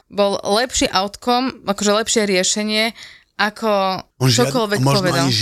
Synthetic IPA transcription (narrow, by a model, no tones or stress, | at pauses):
bɔllɛpʃiʔaʊt̪kɔmakɔʒɛlɛpʃɪɛɾɪɛʃɛɲɪɛ | akʰɔt͡ʃɔkɔlʋɛkpɔʋɛd̪a